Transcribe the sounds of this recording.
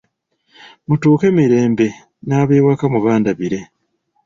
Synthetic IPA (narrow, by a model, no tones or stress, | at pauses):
mutuːke̞miɾe̞ːmbe̞ | naːβeːwakamuβaːndaβiɾe̞